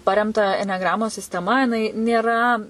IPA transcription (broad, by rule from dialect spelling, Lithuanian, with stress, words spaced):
ˈpɑːrʲɛmtɐ ɛnʲɛˈɡrɑːmoːs sʲɪsʲtʲɛˈmɐ jɪˈnɐɪ nʲeːˈrɐ